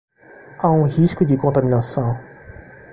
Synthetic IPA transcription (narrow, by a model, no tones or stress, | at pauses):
aũhiskʊd͡ʒɪkõnt̪amĩnasɐ̃w̃